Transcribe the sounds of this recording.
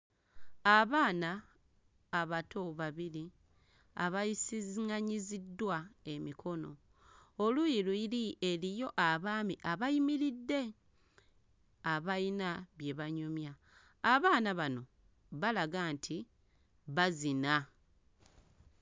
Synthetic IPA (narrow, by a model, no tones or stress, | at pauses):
aβaːnaː | βatʰo̞βaβiɾi | a̰βajisizŋaɲizidːwae̞mikʰo̞no̞ | olujiluilielijo̞ʔaβaːmiʔaβajimiɾidːe̞ | aβainaβje̞βaɲumjaː | βaːnaβano̞ | βalaɡaːntʰi | βazina